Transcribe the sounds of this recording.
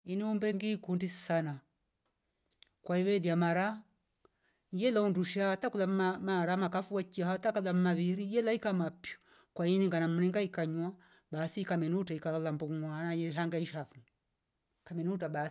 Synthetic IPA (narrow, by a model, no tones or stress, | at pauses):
iniumbɛŋɡikundissana | kwaiwɛðiamaɾa | jɛlaunduʃatakulam̩maɾamakafuwakiahatakalam̩maβiɾijɛlaikamapjɔ̥ | kwainiŋɡanam̩ɾiŋɡaikaɲwa | basikamɛnuutaikalalambuwanajɛɦaŋɡaiʃafu | kamɛniut̬aba